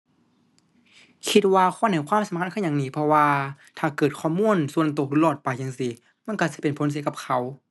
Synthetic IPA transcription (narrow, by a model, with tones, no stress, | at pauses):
kʰi˧t̪̚waː˧kʰɔː˧˥˨na˨˩jkʰwaː˧˥˨msa˨˦mkʰa˧˥˨kʰːɲa˨ŋniː˧˩pʰɔ˧waː˧ | t̪ʰaː˨˩kɤː˨˩t̪̚kʰɔː˧˩˨muː˧˥˨nsu˧ənt̪̬o˨˧˩k̚lɯ˧˩lɔː˧˩t̪̚pa˨˩jt͡ɕaː˨˩˨ŋsi˧ | ma˧˥˨nka˧˩si˧˦pe˨npʰo˧˦ns̬i˧˦ka˧p̚kʰa˧˩w